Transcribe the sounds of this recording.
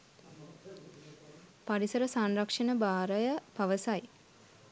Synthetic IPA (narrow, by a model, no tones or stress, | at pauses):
paɾisəɾəsanrakʂənəbaːɾəjəpaʋəsaj